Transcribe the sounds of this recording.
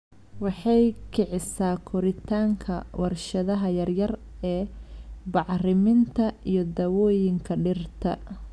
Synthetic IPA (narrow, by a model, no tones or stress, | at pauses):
wɑħɑjkʰɛʕɪsaːkʰɔɾɪt̪ʰaːŋkʰɐwɑrʃɐðɐɦɐjɐrjɐr | ɛːbɑʕrɪmɪnt̪ʰɐijɔd̪ɐwɔːjɪŋkʰɐɖɪrt̪ʰɐ